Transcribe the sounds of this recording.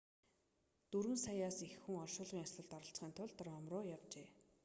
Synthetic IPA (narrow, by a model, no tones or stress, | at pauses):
t̪ɵɾwɘ̆nsajaːsixːuŋɔrʃʊːɮʁiːŋasə̆ɮt̪ɔɾə̆ɬt͡s̆χiːnt̪ʰʊɮt̪ə̆rɔmrʊːjawt͡ɕeː